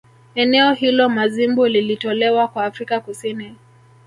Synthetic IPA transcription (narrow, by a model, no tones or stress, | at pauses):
ɛnɛɔhilɔmazimbulilitɔlɛwakwaːfɾikakusini